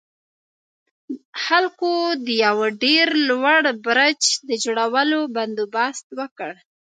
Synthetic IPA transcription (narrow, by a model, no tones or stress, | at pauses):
xalkod̪əjawɖeɾlwaɽbɾat͡ʃd̪əd͡ʒoɽawəloband̪ubɑst̪wəkəɽ